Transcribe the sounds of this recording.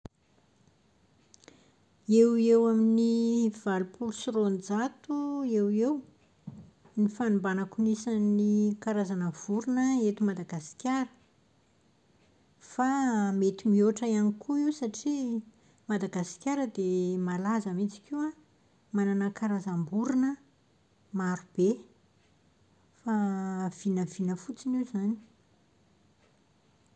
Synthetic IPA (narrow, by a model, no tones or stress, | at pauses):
ewewaminiv̥alupʰulusiɾond͡zat̪uewew | nifanumbanakunisanikaɾazanəv̥uɾunəet̪imad̪aɡasi̥kʲjaɾə̥ | famet̪imioʈ͡ʂajanikʰuiwsaʈ͡ʂi | mad̪aɡasi̥kʲjaɾəd̪emalazəmit͡si̥kʲia | mananəkaɾazambuɾinə | maɾub̥e | fav̥inəv̥inəfut͡sinizani̥